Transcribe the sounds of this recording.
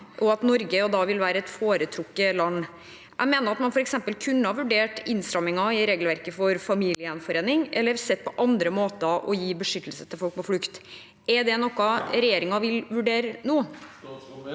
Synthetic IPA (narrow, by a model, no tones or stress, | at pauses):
ʔɔɑt̪nɔɾɡəɔd̪ɑʋɪlʋæːɾəɛt̪foːɾət̪ʰɾʊkːəlɑnː | ʔæ̰ɪmeːnəɾɑt̪mɑnfɔɾɛksɛmpəlkʰʉnːəhɑʋʉɖeːʈɪnst̪ɾɑmɪŋɑɪɾeːɡlʋæɾkəfɔɾfɑmiːlɪəɛnfɔɾeːnɪŋɛ̰lːəɾsɛt̪̚ːpʰɔʔɑnd̪ɾəmoːt̪əʔɔjiːbəʂʏt̪ːəlsə̥t̪ʰɪlfɔlk̚pʰɔflʉkt̪ | ʔɛd̪ɛnɔkːɑɾɛjeːɾɪŋɑʋɪlʋʉɖeːɾənuː